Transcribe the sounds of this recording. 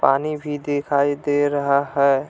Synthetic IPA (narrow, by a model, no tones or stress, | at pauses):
paːnibʱid̪eːkʰaːid̪eɾəɦaɦɛː